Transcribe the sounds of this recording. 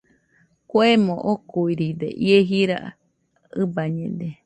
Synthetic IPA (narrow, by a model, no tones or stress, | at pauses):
kwemõʔokuiɾid̪ḛʔieɦiɾa̰ʔ | ɨbaɲẽd̪e